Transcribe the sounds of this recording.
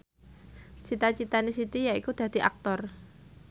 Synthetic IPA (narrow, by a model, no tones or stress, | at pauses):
t͡ʃit̪at͡ʃit̪anisit̪ijaikud̪̥a̤d̪̥i̤ʔak̚t̪ɔr